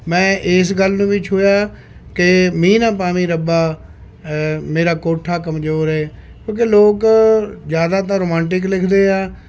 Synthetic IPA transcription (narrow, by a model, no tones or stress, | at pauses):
mɛ̃ːʔɪsɡəlnũːʋɪt͡ʃɦoːjaː | kemĩːnãːpaːmĩːɾəbaː | meːɾaːkoːʈʰːaːk̬əmd͡ʒoːɾeː | kjõːk̬eːloːkzjaːd̪aːt̪̬ãːɾoːmãːɳʈɪklɪkʰd̪eːaː